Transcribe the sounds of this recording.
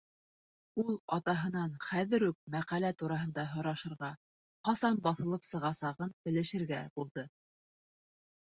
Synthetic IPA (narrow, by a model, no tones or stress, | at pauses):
ulˠɑt̪ɑɦɤ̆nɑnχæðɘ̆ɾʉk̚mæqælæt̪uɾɑɦɤ̆nd̪ɑɦŏɾɑʃɤ̆ɾʁɑ | qɑsɑnbɑθɤ̆lˠɤpsɤ̆ʁɑsɑʁɤnbɘ̆lɘ̆ʃɘ̆ɾɡæb̥ulˠd̪ɤ